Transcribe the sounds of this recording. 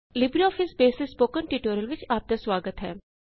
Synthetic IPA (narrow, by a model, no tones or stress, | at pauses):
lɪbɾiɔːfʰɪsbeːsɪspoːkənʈiʈoːɾəlʋɪt͡ʃaːp̚t̪asʋaːɡət̪ɦɛː